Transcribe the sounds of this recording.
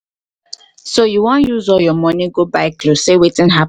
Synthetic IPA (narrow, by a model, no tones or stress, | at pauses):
sojuwɔ̃njuzɔljɔmɔniɡobaɪklossewetĩnɦa